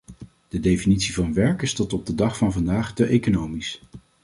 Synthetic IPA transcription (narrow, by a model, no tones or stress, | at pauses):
d̥ədejfinitsivɑnʋɛɹkɪstɔtɔb̚dədɑχfɑnvɑndaːχtəʔejkonowmis